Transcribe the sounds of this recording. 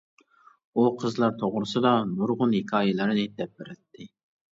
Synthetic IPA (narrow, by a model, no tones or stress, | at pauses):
uqʰəzlˠɑɾt̪ʰoʁɾɨsɨd̪ɑnuɾʁʊnhikʲʰɑːjɛlˠɨɾɨnɨd̪ɛp̚bɪɾɪt̪ʰːɪ